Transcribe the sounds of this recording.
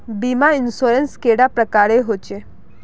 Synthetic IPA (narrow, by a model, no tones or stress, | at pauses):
biːmaɪnsoːɾənskeːɽapɾəkaːɾeɦoːt͡ʃe